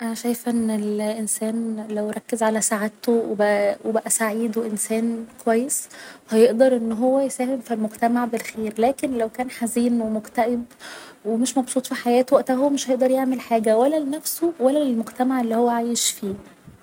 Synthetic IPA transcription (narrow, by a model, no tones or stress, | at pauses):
ʔænæʃæjefʔenːelʔensæːnlæwɾˤɑkːezʕalæsaʕet̪owebæwʔebæʔæsaʕiːd̪weʔensæːnkowæjːeshæjeʔd̪ɑɾˤʔenːɦowːæjesæːhemfilmoɡt̪æmaʕbelxeːɾlæːkenlæwkæːnħaziːnwemokt̪æʔeb | wemeʃmɑbsˤuːt̪ˤfiħajæːt̪wæʔt̪æɦomeʃhæjeʔd̪ɑɾjeʕmelħaːɡæwælːælenæfsowælːælelmoɡt̪æmaʕelːihowːæʕaːjeʃfiː